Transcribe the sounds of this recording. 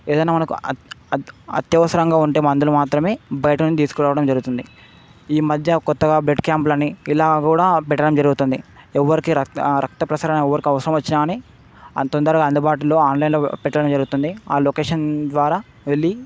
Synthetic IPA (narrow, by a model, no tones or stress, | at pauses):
eːd̪ɐjnaːmɐnɐku | ɐ̰t̪jɐʋɐsɐɾɐŋɡaːuɳʈe̞ːmɐnd̪ulumaːt̪ɾɐme̞ːbɐjɐʈɐunːit̪̬iːsu̥kɔɾaːʋɐɽɐmd͡ʒɐɾɡut̪und̪i | iːmɐd̪ʱjɐkɔt̪ːɐɡaːbleɖkjaːmplɐnːiilaːɡkuːɽaːpɛʈːɐɽɐmd͡ʒɐɾuɡut̪und̪iɛʋːɐɾikiɾɐɾɐk̚t̪ɐpɾɐsaːɾɐnɐɛʋːɐɾikiɐʋɐsɐɾɐmʋɐt͡ʃːinaːni | ɐt̪ɔnd̪ɐɾɐɡaɐnd̪ubaːʈulo̞ːaːnlɐjinloːpɛʈːɐɽɐmd͡ʒɐɾɡut̪und̪iaːlo̞ːkeːʂɐnd̪ʋaːɾaː | ʋeɭːi